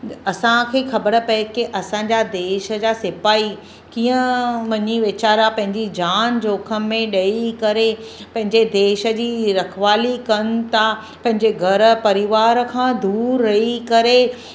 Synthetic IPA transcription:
ɐsãkʰeːxɐbəɽə̆pɐekiʔɐsãɲ̆d͡ʑad̪eːʃə̆d͡ʑaːsɪpaːi | kiːə̃ʋɐɲiʋɪt͡ɕaːɾapɐ̃ɦɪ̃ɲd͡ʑid͡ʑaːnd͡ʑoːkʰə̆mẽɗɐikɐɾepɐ̃ɦɪ̃ɲd͡ʑed̪eːʃə̆d͡ʑiːɾɐkʰʋaːlikɐn̆t̪ʰa | pɐ̃ɦɪ̃ɲd͡ʑeɡʱɐɾə̆pɐɾɪʋaːɾkʰãːd̪uːɾːɐɦikɐɾe

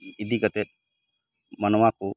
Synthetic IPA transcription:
id̪ikət̪e | mɐnʋaːku

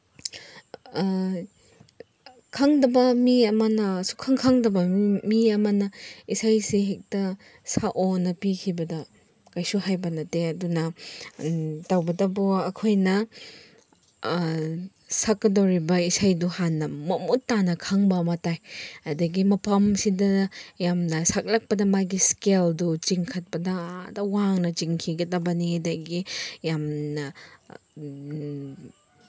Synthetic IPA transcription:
kʰaŋdɐbɐmiɐmɐnɐsu̥kʰaŋkʰaŋdɐbɐmiɐmɐnɐisajsiɦek̚tɐ | saʔonɐpikʰibɐdɐ | kajsuɦajbɐnɐteɐdunɐ | tawbɐdɐbuɐkʰojnɐ | sakːɐdowɾibɐisajduhanːɐmɐmutːanɐkʰɐŋbɐmɐtajɐdɐɡimɐpʰɐmsidɐjamnɐsak̚lɐk̚pɐdɐmajɡiskeldut͡ʃiŋkʰɐt̚pɐdɐdɐwaŋnɐt͡ʃiŋkʰiɡɐdɐbɐniɐdɐɡijamnɐ

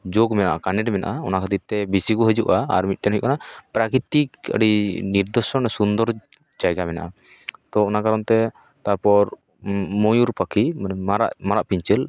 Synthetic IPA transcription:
d͡ʒoɡmɛna̰ʔa̰kanɛʈmɛna̰ʔaɔnakʰat̪it̪ɛbisiɡɔɦəd͡ʒuʔaa̰ɾmit̪̚ʈɛnɦɔjʔkanapɾakɾit̪ikə̰ɖiniɾd̪ɔsɔnɛsund̪ɔɾ | d͡ʒajɡamɛna̰ʔa | t̪ɔɔnakaɾɔnt̪ɛ | t̪apɔɾ | mɔjuɾpakʰiaɾaʔmaɾaʔpiɲt͡ʃɛl

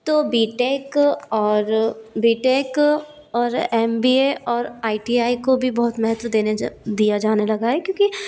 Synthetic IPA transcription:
t̪oːbiːʈeːkɔːɾbiːʈeːk | ɔːɾɛːmbiːeʔɔːɾaːiʈiːaːikobʱibɔɦʊt̪mɛɦɛt̪wəd̪eːned̪ijad͡ʒaːnelɐɡaɦɛkjõːki

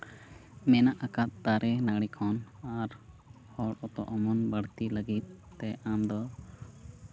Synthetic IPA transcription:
mɛnaʔakat̪̚t̪aɾʔɛnaɽikʰɔnaɾ | hɔɽɔt̪ɔ̰ʔɔmɔnbəɽt̪iləɡit̪̚ːɛamd̪ɔ

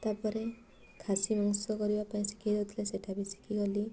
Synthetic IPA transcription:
t̪apɔɾe | kʰasimɔŋsɔkɔɾibapaĩsi̥kʰiɾɔt̪ʰileseʈʰabisi̥kʰiɡɔli

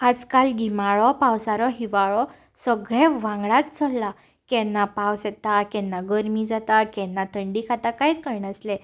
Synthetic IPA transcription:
ad͡zkalɡimaɭɔpawsaɾɔɦiʋaɭɔ | səɡɭẽʋãŋɡɭat̪t͡səlːa | kɛnːapawsɛt̪akɛnːaɡəɾmid͡zat̪akɛ̃nːat̪ʰəɳɖikʰat̪akait̪kəɾnaslɛ̃

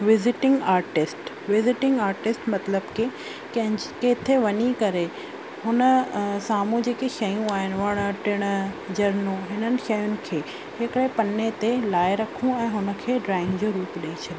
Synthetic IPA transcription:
ʋɪzɪʈɪ̃ŋɡaːɾʈɪsʈ | ʋɪzɪʈɪ̃ŋɡaːɾʈɪsʈmɐt̪ləbke | kɐ̃ɦɪ̃keːt̪ʰeʋɐɲikɐɾe | ɦʊnə̆saːmũd͡ʑeːkeʃɐjũaːɦɪnɪ̆ʋɐɽ̃ʈɪɽ̃ | d͡ʑɐɾnõɦɪnənɪ̆ʃɐjʊnɪ̆kʰeː | hɪkɪɽepɐnet̪elaːɪɾɐkʰũɛ̃ːɦʊnə̆kʰeːɖɾaːɪ̃ŋɡd͡ʑoːɾuːpɗɐit͡ɕʰɐɗɪ̃

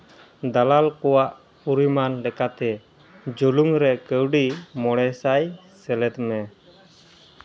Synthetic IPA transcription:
d̪alalkɔwaʔ | uɾimanlɛkat̪ɛ | d͡ʒoluŋɾɛkəwɖimɔɽ̃ɛsajsɛlɛt̪mɛ

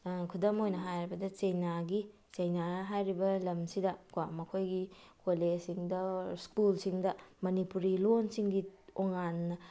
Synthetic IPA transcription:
kʰudɐmojnɐɦajɾibɐdɐt͡ʃejnaɡi | t͡ʃɐjnaɐɦajɾibɐlɐmsidɐkwamɐkʰojɡikolesiŋdɐskulsiŋdɐmɐnipuɾilonsiŋɡioŋanːɐ

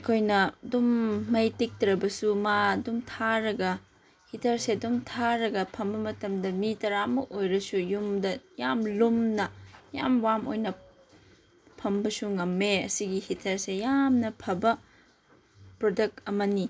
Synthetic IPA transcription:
kʰojnɐdumːɐjtik̚tɾɐbɐsumadumtʰaɾɐɡɐ | hitʰɐɾseɐdumtʰaɾɐɡɐpʰɐmbɐmɐtɐmdɐmitɐɾamɐʔojɾɐsujumdɐjamlumnɐja̰mwamojnɐ | pʰɐmbɐsuŋɐmːeɐ̰siɡihitʰɐɾsejamnɐpʰɐbɐ | pɾodɐk̚tɐmɐni

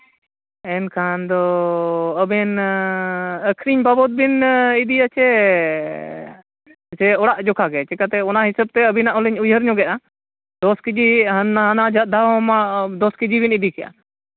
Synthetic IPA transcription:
ɛnkʰand̪ɔ | əbɛn | əkʰɾiɲbabɔt̪̚binid̪iat͡ʃʰɛ | t͡ʃɛɔɽaʔd͡ʒɔkʰaɡɛt͡ʃɛkat̪ɛɔnaɦisəb̚t̪ɛəbinaʔɔliɲujɦəɾɲɔɡɛʔa | d̪ɔskid͡ʒiɦɦənad͡ʒat̪̚d̪ʱaɦɔmad̪ɔskid͡ʒibinid̪ikɛja̰

